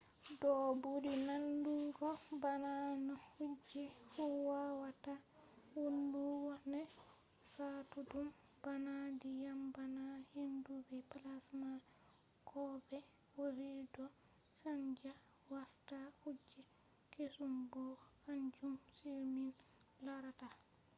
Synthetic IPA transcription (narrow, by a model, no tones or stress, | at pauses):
dɔbudinanduɡɔbananɔhud͡ʒːɛfuwawatawunduwɔnɛ | satudum | b̥anadijambanahindubɛpalasma | kʰɔbɛ | woɾidɔ | saɲd͡ʒa | waɾtahud͡ʒːɛ | kesumbɔhaɲd͡ʒumsiɾminlaɾata